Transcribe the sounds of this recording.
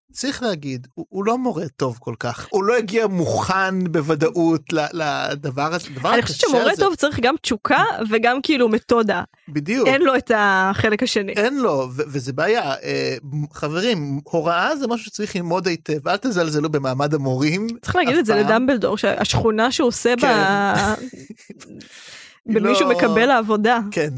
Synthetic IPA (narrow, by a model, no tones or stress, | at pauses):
t͡sʁiχlehaɡid̪uːlo̞mo̞ʁet̪o̞vko̞lkaχulo̞jaɡiamuχanbevadaʔutlalad̪avaʁazd̪avaʁaniχoʃe̥t͡ʃemoʁetovt͡saʁiχɡamt͡ʃukʰaveɡamkiilumeto̞da | bid̪juenlo̞etaχelekhaʃenḭenlo̞vevezebeajaeχaveʁimho̞ʁaazemaʃuʃe̥t͡sʁiχlilmo̞d̪ejt̪evalt̪azalzelube̞maːmad̪amoʁimt͡sʁi̥χleaːɡidelzeledambeld̪o̞̰ʁʃea̰ʃχunaʃeoseba | bemiʃumekabelaːvo̞daken